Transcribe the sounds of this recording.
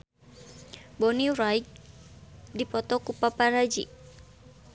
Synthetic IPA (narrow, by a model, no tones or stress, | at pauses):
bɔniɾajk̚ | dipɔt̪ɔkupapaɾad͡ʒi